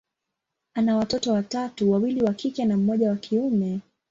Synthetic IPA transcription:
anawatɔtɔwatatuwawiliwakikɛnam̩mɔʄawakʰiumɛ

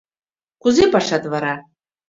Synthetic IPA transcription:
kʷuzepaʂad̪vaɾa

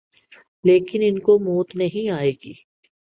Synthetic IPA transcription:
leːkɪnɪnkomoːt̪nɐɦĩaːeːɡiː

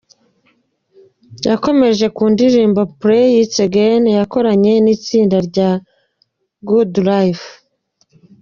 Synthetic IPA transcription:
jako̞me̞ʒe̞kuːndiɾiːmbapɾejit͡seɡenjako̞ɾaɲe̞niːt͡siːndaɾɟa | ɡudɾajf

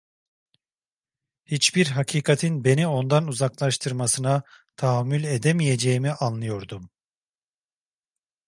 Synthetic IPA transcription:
hit͡ʃbiɾɦacʰiːkʰat̪ʰinbe̞nio̞nd̪anuzaklˠaʃt̪ʰɯɾmasɯnat̪ʰaɦamːylʲed̪emije̞d͡ʒejimiʔanlˠɯjo̞ɾd̪um

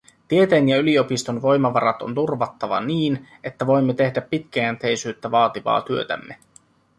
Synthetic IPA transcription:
t̪ie̞t̪enjɑylio̞pist̪o̞nʋo̞jmɑʋɑɾɑt̪o̞̰nt̪urʋɑt̪ːɑʋɑ̰niːn | e̞t̪ːæʋo̞jmːet̪e̞hdæpːit̪k̟eænt̪e̞jsyːt̪ːæʋɑːt̪iʋɑ̰ːt̪yø̞t̪æ̰mːe̞

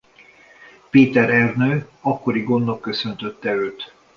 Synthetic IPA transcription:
peːt̪ɛɾɛrnøːɒkːo̞ɾiɡo̞nːokːø̞sønt̪ø̞t̪ːɛløːt̪

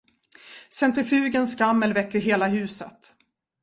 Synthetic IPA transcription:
sɛnt̪ɾɪfʉ̟ːɡənskamːəlvɛkːəɾɦeːlaɦʉ̟ːsət̪

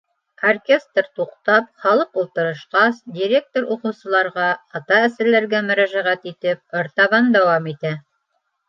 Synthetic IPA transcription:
orkʲe̞st̪rt̪uqt̪ɑpχɑlˠɤqulˠt̪ɤ̆ɾɤ̆ʃqɑsd̪ʲiɾʲe̞k̚t̪oɾuqɤ̆wsɤ̆lˠɑɾʁɑɑt̪ɑæsɘ̆ɾlæɾɡæmɵ̆ɾæʒæʁæt̪it̪ɘp̚oɾt̪ɑβɑnd̪æwɑmit̪æ

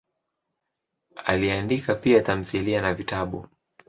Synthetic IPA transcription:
a̰liandikapiatam̩θilianavitaɓu

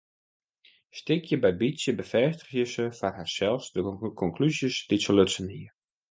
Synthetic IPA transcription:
stɪkʰjəbɛjbisjəbəfɛstə̥xjəsəfarɦasɛlˠfsdəkʰɔŋklyzjəsd̥isoløtsəniər

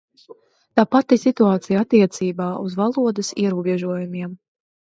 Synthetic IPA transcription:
t̪aːpat̪ːisit̪uaːt̪sijat̪ːiɛt̪siːbaːuzvalˠuɔd̪ɐsḭɛɾuɔbʲɛʒuɔjumʲiɛm

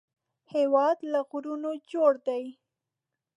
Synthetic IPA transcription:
hewɑd̪laɣɾunod͡ʒoɽd̪aj

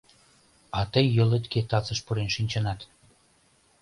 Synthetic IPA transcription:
ɑt̪əjːə̆let̪ket̪ɑt͡səʃpuɾenʃinʲt͡ɕə̆nɑt̪

